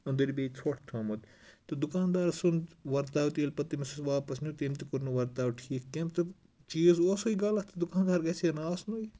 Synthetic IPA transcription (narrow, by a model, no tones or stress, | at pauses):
ɐnd̪ɐɾibeːit͡sʰoːʈʰt̪ʰɐːmɐt̪ | t̪ɨd̪ukaːnd̪aːɾsunʋɐɾt̪aːwt̪eːlpɐt̪ːimɐsɐsʋaːpɐsnʲut̪eːmt̪ikuɾnuʋɐɾt̪aːwʈʰiːkːemt̪ɐ | t͡ʃiːzoːsoiɡaːlɐt̪ɐd̪ukaːnd̪aːɾɡɐsenaːsnoːi